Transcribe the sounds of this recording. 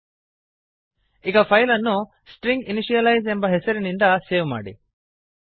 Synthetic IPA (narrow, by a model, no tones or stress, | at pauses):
iɡɐpʰɐjlɐnːu | sʈɾiŋɡiniʃijɐlɐjzembɐɦesɐɾinind̪ɐseːʋma̰ːɽḭ